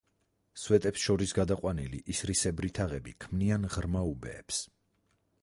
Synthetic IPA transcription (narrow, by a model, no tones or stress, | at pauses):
swɛt̪ʼɛpsʃɔɾisɡad̪aqʼwanilḭʔisɾisɛbɾit̪ʰaʁɛbikʰmnianʁɾmaubɛ̰ːps